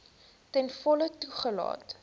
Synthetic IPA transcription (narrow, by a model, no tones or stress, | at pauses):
tɛnfɔlətuχəlɑ̰ːt